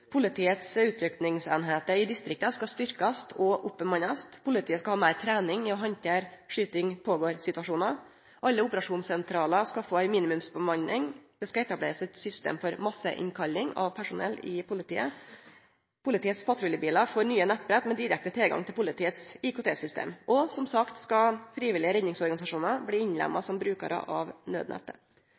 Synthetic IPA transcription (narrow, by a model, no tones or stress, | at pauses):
pʰʊlɪt̪ʰiːət̪sʉːt̪ʰɾʏknɪŋseːnɦeːt̪əɾɪd̪ɪst̪ɾɪk̚t̪əskɑst̪ʏɾkɑst̪ʰɔʔʊpːəmɑnɑst̪pʰʊlɪt̪ʰiːəskɑhɑːmæɪɾt̪ʰɾæːnɪŋɪɔɦɑnt̪eɾʂyːt̪ɪŋpʰoːɡoːɾsɪt̪ʉɑʂuːnɑ | ʔɑlːəʊpəɾɑʂuːnsɛnt̪ʰɾɑːləskɑfoːæɪmiːnɪmʉmsbəmɑnnɪŋd̪̥ɛskɑɛt̪ɑblḛːɾəsɛt̪sʏst̪ḛːmfɔɾmɑsə̰ʔɪ̰nkʰɑlːɪŋɑ̰ʋpʰæʂʊnɛ̰lːɪpʰʊlɪt̪ʰiːə | pʰʊlɪt̪ʰiːət̪spʰɑt̪ɾʊljəbiːlɑfɔːɾnyːənɛt̪ːbɾɛt̪mɛd̪ɪɾɛk̚t̪ət̪ʰɪlɡɑ̰ŋt̪ʰɪlpʊlɪt̪ʰiːət̪sɪkʊːt̪eːsʏst̪ḛːmʔɔsɔmsɑkt̪skɑfɾiːʋɪlɪəɾɛd̪nɪŋsɔɾɡɑnɪsɑʂuːnɑbliːɪɲlæ̰mːɑ̰sɔmbɾʉːkɑ̰ɾə̰ʔɑʋnø̰ːd̪nɛ̰t̪ːə